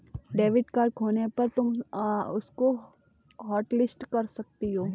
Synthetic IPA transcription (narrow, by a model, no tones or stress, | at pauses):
ɖeːʋɪɖkaːɾkʰoːnepɐɾt̪ʊmʊsko | ɦɔːʈlɪsʈkɐɾsɐk̚t̪iɦoː